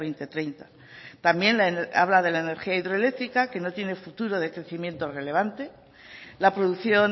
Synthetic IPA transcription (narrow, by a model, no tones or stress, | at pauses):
ejnt̪e̞t̪ɾe̞jnt̪a | t̪ambje̞nlaena̰β̞lað̞e̞laene̞ɾxiaiðɾoele̞kt̪ɾikake̞no̞t̪je̞ne̞fut̪uɾo̞ð̞e̞kɾe̞θimjẽ̞nt̪o̞re̞le̞β̞ant̪e̞ | lapɾoðuθjo̞n